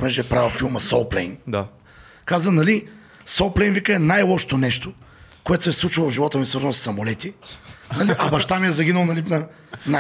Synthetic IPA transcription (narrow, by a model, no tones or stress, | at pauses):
mɛʒɛɛpɾavfilˠmɐsolˠplɛ̰jnd̪a | kazənɐli | solˠplɛjnvikəɛnajlˠɔʃo̥t̪onɛʃt̪okoɛt̪o̥sɛslˠut͡ʃilˠvʒivɔt̪əmisvəɾzənˠosːɐmolɛt̪inɐliʔɐbɐʃt̪amiɛzɐɡʲinəlˠnɐlinɐ | na